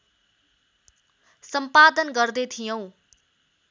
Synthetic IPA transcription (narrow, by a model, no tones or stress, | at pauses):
sʌmpad̪ənɡʌrd̪et̪ʰijʌw̃